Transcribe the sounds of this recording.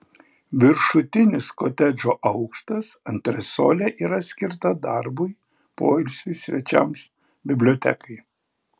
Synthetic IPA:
ʋʲɪɾʃʊt̪ʲɪnʲɪskot̪ʲɛd͡ʒoːʔɐʊkʃt̪ɐsɐnʲt̪ʲɾʲɛsoːlʲɛʔiːɾɐsʲkʲɪɾt̪ɐd̪ɑɾbʊɪ | poːɪlʲsʲʊɪsʲʋʲɛt͡ʃʲɛ̰ms | bʲɪbʲlʲoːt̪ʲɛ̰kɐɪ

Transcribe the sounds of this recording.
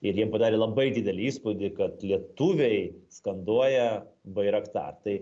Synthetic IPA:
ɪɾjiɛmpɐd̪ɑːɾʲeːlˠɐbɐɪd̪ʲiːd̪ʲɛlʲɪiːspʊd̪ʲɪkɐt̪lʲiɛt̪uːʋʲɛɪskɐnd̪uɔjɛbɐɪɾɐkt̪ɑ̰ːrt̪ɐɪ

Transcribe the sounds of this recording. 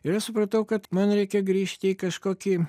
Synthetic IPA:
ɪɾɐʃsʊpɾɐt̪ɐʊkɐt̪mɐnɾʲɛɪkʲɛɡɾʲiːʃʲt̪ʲɪiːkɐʃkoːkʲi

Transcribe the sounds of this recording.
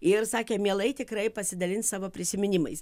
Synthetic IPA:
ɪrsɑːkʲeːmʲiɛlˠɐɪt̪ʲɪkɾɐɪpɐsʲɪd̪ɐlʲɪnssɑːʋoːpʲɾʲɪsʲɪmʲɪnʲɪmɐɪs

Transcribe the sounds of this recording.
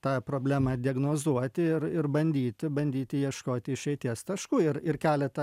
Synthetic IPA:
t̪ɑːpɾoːbʲlʲæːmɑːd̪ʲɪɛɡnoːzuɔt̪ʲɪɪɾɪɾbɐnʲd̪ʲiːt̪ʲɪbɐnʲd̪ʲiːt̪ʲɪjiɛʃkoːt̪ʲɪɪʃɛɪt̪ʲiɛst̪ɐʃkuːɪɾɪrkʲæːlʲɛt̪ɐ

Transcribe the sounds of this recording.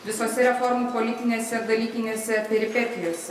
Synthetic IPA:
ʋʲɪsoːsʲɛɾʲɛfɔɾmuːpolʲɪt̪ʲɪnʲeːsʲɛɪɾd̪ɐlʲiːkʲɪnʲeːsʲɛpʲɛɾʲɪpʲɛt̪ʲɪjoːsʲɛ

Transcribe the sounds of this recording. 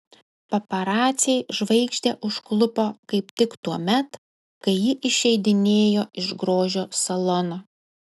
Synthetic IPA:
pɐpɐɾɑːt̪sʲɪɛɪʒʋɐɪkʃʲt̪ʲeʔʊʃklˠʊpoːkɐɪpt̪ʲɪkt̪uɔmʲɛt̪ | kɐɪjɪʔɪʃʲɛɪd̪ʲɪnʲeːjoːɪʒɡɾoːʒʲoːsɐlˠɔnoː

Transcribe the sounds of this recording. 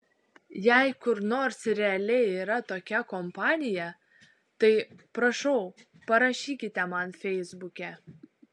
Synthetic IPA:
jæɪkʊɾnoːɾsɾʲɛɐlʲɛɪiːɾɐt̪oːkʲɛkɔmpɑːnʲɪjɛ | t̪ɐɪpɾɐʃɔʊ | pɐɾɐʃʲiːkʲɪt̪ʲɛmɐnfʲɛɪzbʊkʲɛ

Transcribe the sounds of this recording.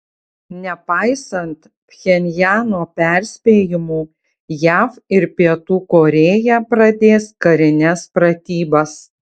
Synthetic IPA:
nʲɛpɑˑɪsɐnt̪ | pʲxʲɛnʲjæːnoːpʲɛɾʲsʲpʲeːjɪmuː | jæːfɪɾpʲiɛt̪uːkoːɾʲeːjɛpɾɐd̪ʲeːskɐɾʲɪnʲɛspɾɐt̪ʲiːbɐs

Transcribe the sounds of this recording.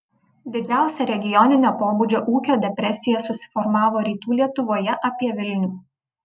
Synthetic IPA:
d̪ʲɪd͡ʒʲæˑʊsʲɛɾʲɛɡʲɪjɔnʲɪnʲoːpoːbud͡ʒʲoːʔuːkʲoːd̪ʲɛpʲɾʲɛsʲɪjɛsʊsʲɪ̥fɔɾmɑːʋoːɾʲiːt̪uːlʲiɛt̪ʊʋoːjɛʔɐpʲiɛʋʲɪlʲnʲuː

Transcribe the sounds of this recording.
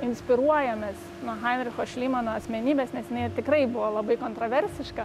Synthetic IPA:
ɪnʲsʲpʲɪɾuɔjɛmʲeːs | nuɔxɐɪnʲɾʲɪxoːʃʲlʲiːmɐnoɐsʲmʲɛnʲiːbʲeːsnʲɛsjɪnɐɪt̪ʲɪkɾɐɪbʊʋoːlˠɐbɐɪkoːnt̪ɾoːʋʲɛɾʲsʲɪʃkɐ

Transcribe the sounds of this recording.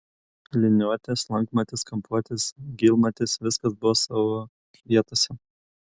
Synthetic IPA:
lʲɪnʲuɔt̪ʲɛslˠɐŋkmɐt̪ʲɪskɐmpuɔt̪ʲɪsɡʲilˠmɐt̪ʲɪsʋʲɪskɐsbʊʋɔːsɑːʋoː | ʋʲiɛt̪oːsʲɛ

